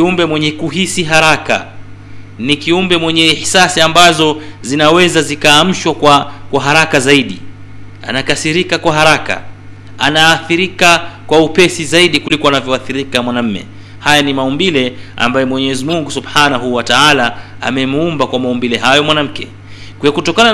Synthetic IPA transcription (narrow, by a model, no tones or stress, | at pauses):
kiumbɛmwɛɲɛkuɦisiɦaɾaka̰ | nikiumbɛmwɛɲɛħisasiambazɔzinawɛzazikaːm̩ʃwakwakwaɦaɾakazaiɗi | a̰nakasiɾikakwaɦaɾaka̰ | anaːθiɾikakwaupɛsizaiɗikulikɔanavjɔaθiɾikamwanam̩mɛ̰ | hajanimaumbilɛa̰mbajɛmwɛɲɛɛzimuŋɡusubħanaɦuwataala | a̰mɛmuumbakwamaumbilɛɦajɔmwanam̩kɛ | kɛɔkutɔkana